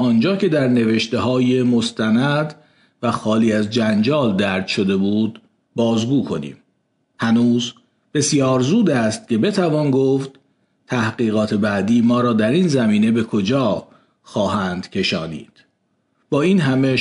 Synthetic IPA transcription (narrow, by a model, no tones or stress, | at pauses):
ɒːnd͡ʒɒːcʰe̞d̪æɾne̞veʃt̪e̞ɦɒːjemo̞st̪ʰænæd̪ | væxɒːliːæzd͡ʒænd͡ʒɒːld̪æɾd̪̥ʃo̞d̪e̞buːd̪ | bɒːzɡuːkʰo̞nḭːm | hænuːz | b̥e̞sjɒːɾzuːd̪æst̪̚cʰe̞be̞t̪ʰævɒːnɡoːft̪ | t̪ʰæhɢiːɣɒːt̪ʰe̞bæd̪iːmɒːɾɒːd̪æɾiːnzæmiːne̞be̞kʰod͡ʒɒː | xɒːhæːnd̪̥cʰe̞ʃɒːnḭːd̪̥ | b̥ɒːiːnɦæme̞